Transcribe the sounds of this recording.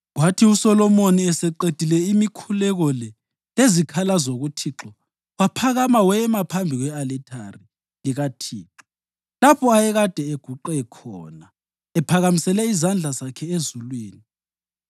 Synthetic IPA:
ɣwatʰiusɔlɔmoniɛsɛǃed̥ʱilɛimikʰulɛɣɔlɛ | lezikʰalazoɣutʰiǁɔ | wapʰaɣamawɛmapʰambʱiɣwɛalɛtʼʰa̰ri | liɣatʰiːǁɔ | lapʰɔajɛɣad̥ʱɛeɡ̥ʱuǃɛkʰɔ̰ːna | ɛpʰaɣamisɛlɛizand͡ɮʱazakʰɛezulwiːni

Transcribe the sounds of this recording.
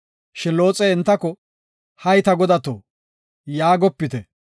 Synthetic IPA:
ʃɪnlo̞ːt͡sʼeɪnt̪ːɐkɔ | hɐjt̪ɐɡɔd̪ɐt̪o̰ː | jaːɡɔpːɪt̪ɛ

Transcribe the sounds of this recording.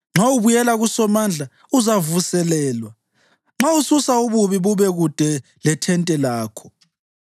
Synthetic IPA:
ŋ͡ǁauβujɛlaɣusɔmand͡ɮʱa | uzavusɛlɛːlwa | ŋ͡ǁaususauβuβiβuβɛɣud̥ʱɛ | lɛtʰɛntʼɛlaːkʰɔ̥

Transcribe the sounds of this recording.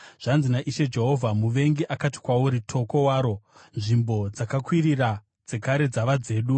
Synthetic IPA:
ʐ̥anzinaʔiʃe̞d͡ʒe̞ɦo̞vʱamuʋe̞ŋɡiʔakati̥kwawuɾitʰo̞ko̞waːɾo̞nʐimbo̞d͡zakakwirira | d͡ze̞kaɾe̞d͡zaʋad͡ze̞ːɗu

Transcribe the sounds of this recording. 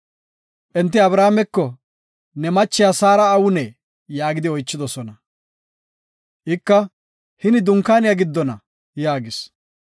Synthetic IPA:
ʔɛnt̪ːɪɐbɾaːmɛkːɔ | nɛmɐt͡ʃːɪjasaːɾɐːwʊnɛ | jaːɡɪd̪ɪɔjt͡ʃːɪd̪ɔsɔnɐ | ʔɪkːɐ | hɪnɪd̪ʊŋkːaːnɪjaɡɪd̪ːɔnɐ̰ | jaːɡɪs

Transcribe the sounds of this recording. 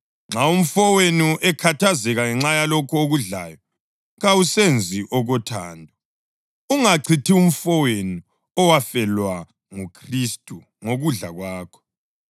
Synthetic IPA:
ŋ͡ǁaum̩fɔwenuʔɛkʰatʰazɛɣaŋɛŋ͡ǁajalɔkʰɔoɣuɮa̰ːjɔ | ɣawusend͡zʱiʔɔɣɔtʰaːndʱɔ | uŋaǀʰitʰium̩fɔwenu | ɔwafɛlwa | ŋukʰristʼu | ŋoɣuɮa̰ɣwaːkʰɔ̥

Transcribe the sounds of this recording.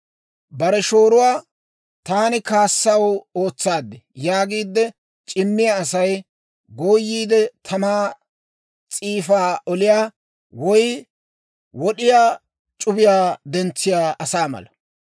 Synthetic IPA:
bɐɾɛʃo̞ːɾʊwaː | t̪aːnɪkaːsːɐwo̞ːt͡sːaːd̪ːɛjaːɡiːd̪ːɛ | t͡ʃʼɪmːɪjɐːsɐj | ɡoːjːiːd̪ɛt̪ʰɐmaː | t͡sʼiːfaːʔɔlɪjaː | wɔj | wɔɗɪjaː | t͡ʃʼʊbɪjaːd̪ɛnt͡sːɪjaːʔɐsaːmɐ̰lɐ

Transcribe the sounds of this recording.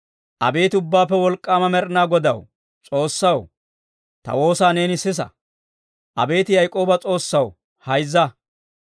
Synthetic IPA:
ʔɐ̰be̞ːt̪ɪʊbːaːpːɛwɔlkʼːaːmɐmɛɾnaːɡɔd̪ɐw | t͡sʼo̞ːsːɐw | t̪ɐ̰wo̞ːsaːne̞ːnɪsɪs̬ɐ̰ | ʔɐ̰be̞ːt̪ɪjɐjkʼo̞ːbɐt͡sʼo̞ːsːɐw | hɐjzːɐ

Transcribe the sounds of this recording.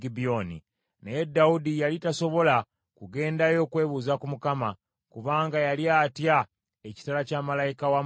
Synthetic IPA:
ɡibionḭ | nejedːaudijalitaso̞βo̞la | kuɡe̞ːndajo̞ːkwe̞ːβuzakumukama | kuβaːŋɡajaliaːtja | eci̥talacaːmalajikawa

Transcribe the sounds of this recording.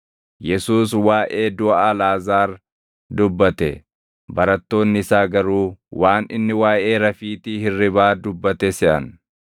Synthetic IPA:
jɛsuːswaːʔe̞ːd̪ʊʔɐalaːzaːɾ | d̪ʊbːɐt̪ɛ̰ | bɐɾɐt̪ːo̞ːnːɪɪsaːɡɐɾuːwaːnɪ̰nːɪwaːʔe̞ːɾɐfiːt̪ihɪrːɪbaːd̪ʊbːɐt̪ɛsɛʔɐ̰n

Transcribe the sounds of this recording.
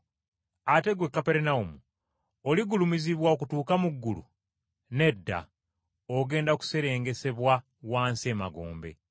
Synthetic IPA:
ate̞ɡwe̞kːape̞ɾenaumu | oliɡulumiziβwaokutuːkamuɡːulṵ | ne̞dːa̰ | oɡe̞ːndaku̥se̞ɾe̞ːŋɡe̞se̞βwa | waːnsie̞ːma̰ɡo̞̰ːmbe̞̰

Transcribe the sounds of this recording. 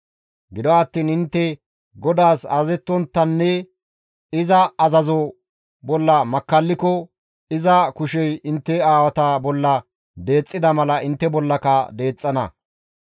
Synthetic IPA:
ɡɪd̪ɔɐt̪ːiːnɪnt̪ːɛ | ɡɔd̪aːsa̰zɛt̪ːɔnt̪ːɐnːɛ | ɪzɐːzɐzɔ | bɔlːɐmɐkːɐlːɪkɔ | ɪzɐkʊʃɛjɪnt̪ːɛaːwɐt̪ɐbɔlːɐ | d̪e̞ːt͡sʼːɪd̪ɐmɐlɐʔɪnt̪ːɛbɔlːɐkɐd̪e̞ːt͡sʼːɐnɐ̰

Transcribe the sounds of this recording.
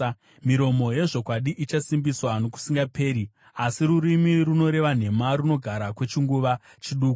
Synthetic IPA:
miɾo̞mo̞je̞ʐo̞kwaɗiʔit͡ʃasimbiswano̞ku̥siŋɡape̞ːɾi | asiɾuɾimiruno̞ɾe̞ʋan̤e̞maɾuno̞ɡʱaɾakwe̞t͡ʃiŋɡuʋa | t͡ʃiɗuːku

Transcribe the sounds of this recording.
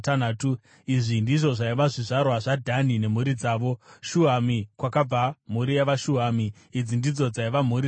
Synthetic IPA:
tanaːtu | iʐindiʐo̞ʐaiʋaʐiʐarwaʐadʱanine̞m̤uɾid͡zaːʋo̞ʃuamikwakab͡vam̤uɾijaʋaʃuɦamiː | d͡zindid͡zo̞d͡zaiʋam̤uɾi

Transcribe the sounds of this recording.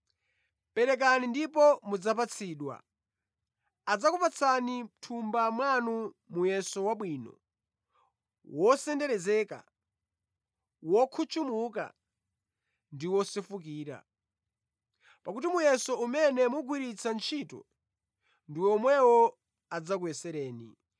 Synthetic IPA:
pɛɾɛk̬anindipɔmud͡zap̬at͡sʰiːɗwa̰ | ad͡zakupat͡sʰanim̩tʰumbamwanu | mujɛsɔwaɓwinɔ̰ | wɔsɛndɛɾɛzɛːka̰ | wɔkʰut͡ʃumuk̬a̰ | ndiwɔsɛfuk̬iːɾa̰ | pakutimujɛsɔumɛnɛmuɡwiɾit͡sʰant͡ʃʰitɔ̰ | ndiwɛɔmwɛwɔ | ad͡zak̬uɛsɛɾɛːnḭ

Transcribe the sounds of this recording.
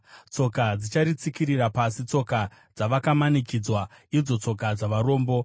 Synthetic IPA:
t͡so̞kad͡zit͡ʃaɾit͡sikirirapasit͡so̞ka | d͡zaʋakamanikid͡zwaid͡zo̞t͡so̞kad͡zaʋaɾo̞ːmbo̞

